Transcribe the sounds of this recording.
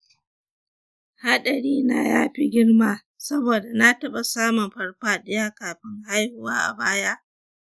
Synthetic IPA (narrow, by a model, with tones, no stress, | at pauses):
ha˦ɗɐ˨ɽiː˦na̰˨jaː˦ɸi˦ɡʲɪ˦ɽmaː˨ | sɐ˦boː˨da˨na˦tɐ˦ɓa˨saː˦mʊ˨mɸɐ˦ɽɸaː˦ɗɪ˦jaː˦kaː˨ɸɪ˦ŋha˦jhʊ˦waː˦ʔa̰˨baː˦ja˦ʔ